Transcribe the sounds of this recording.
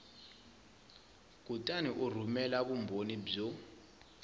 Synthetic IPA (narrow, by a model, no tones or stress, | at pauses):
ɡ̥ʱutʼaniʔur̤umɛlaɓumbʱonib͡ʐɔ